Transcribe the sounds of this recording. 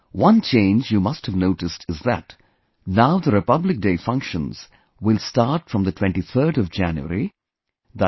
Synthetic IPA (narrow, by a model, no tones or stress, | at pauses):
wʌ̃nt͡ʃʰẽɪ̃nd͡ʒjumʌsthɨvnoʊɾɨstʰɨzðɨ̰t | naʊðəɾɨpʌblɪk̚deɪfʌ̃ŋkʃə̃nz̥ | wɪlstɑɾʈfɹʌ̃mðətʰw̥ɛ̃nʈiθʰəɾɾʌvd͡ʒæ̃njṵə̰ɾi | ðə